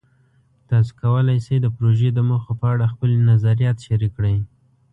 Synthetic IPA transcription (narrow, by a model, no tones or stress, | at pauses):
t̪ɑs̬i̥kawəlajsejd̪əpɾoʒed̪əməxopəaɽaxpəlnazaɾijɑt̪ʃaɾikːɽəj